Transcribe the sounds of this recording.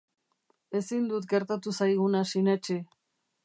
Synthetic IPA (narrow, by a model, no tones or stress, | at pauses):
e̞sind̪ut̪ɡe̞ɾt̪at̪usajɣ̞unasinet͡ʃi